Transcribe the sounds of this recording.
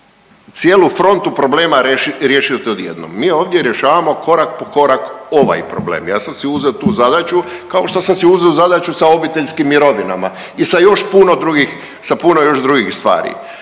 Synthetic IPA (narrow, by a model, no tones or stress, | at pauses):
t̪sjeːlˠufɾo̞nt̪upɾo̞ble̞ːmaɾeʃiɾje̞ʃijot̪eod̪jḛd̪no̰mːiːoːʋd̪je̞ɾje̞ʃaːʋamo̞ko̞ɾak̚poko̞ɾako̞ʋa̰jpɾoblḛːmjaːsamsiuzeot̪uːzad̪at͡ʃukao̞ʃt̪osamsiuzeuzad̪at͡ʃusao̞bit̪eʎʲskimːiɾo̞ʋina̰ma̰ | isajo̞ʃpuno̞d̪ɾuɡix | sapunojo̞ʒd̪ɾuɡixst̪ʋa̰ːɾḭ